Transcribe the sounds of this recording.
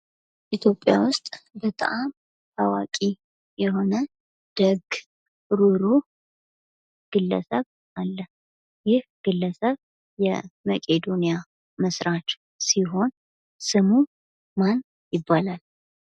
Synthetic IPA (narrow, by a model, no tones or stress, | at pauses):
ʔit̪ʰjo̞pʼːja̰wʊst̪ʼbət̪ʼaam | awakʼi | jɛɦo̞nə | d̪̥əɡ | ɾuɾu | ɡ̥ɨlːə̰səβ | ʔalːə | jɪhɡ̥ɨlːəsəβ | jɛməkʼed̪o̞nija | məsɾat͡ʃ | siɦo̞n | sɨmu | man | jɪbːalal